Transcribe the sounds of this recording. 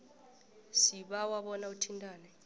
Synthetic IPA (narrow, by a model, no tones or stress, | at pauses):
siɓawaɓɔnautʰintʼaːnɛ